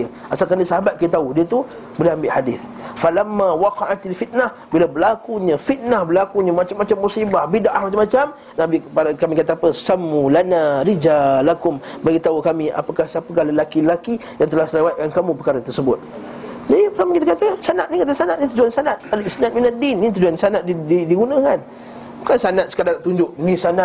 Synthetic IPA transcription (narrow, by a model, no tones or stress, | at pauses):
ə | ʔasalkandisaɦabat̪̚kijt̪audiət̪u | bolɛhambɪʔhadɪθfalamːawɑqɑʔat̪alfit̪̚nah | bilabəlakuɲəfit̪̚nahbəlakuɲamat͡ʃamːat͡ʃamːusibahbidaʔahmat͡ʃamːat͡ʃam | nabipakamikat̪aapəsamːulanaɾid͡ʒalakʊmbaɡit̪aukamia̰pəkahsapəkahləlakiəlaki | jaŋt̪əlahsənəwat̪̚kankamũpərkaɾat̪ərsəbʊt̪̚ | d͡ʒadikamikit̪akat̪asanat̪̚nikat̪asanat̪̚nit̪ud͡ʒuansanat̪̚alisnat̪̚minadinːit̪ud͡ʒuansanat̪̚diidiɡunakan | bukansanat̪̚sə̥kadaŋat̪uɲd͡ʒʊʔnĩsana